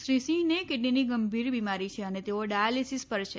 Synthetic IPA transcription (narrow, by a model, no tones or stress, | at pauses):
ʃɾisĩnekeʈ̬niniɡəmbʱiɾbimaɾit͡ʃʰeənet̪eoɖajalisispəɾʃʰe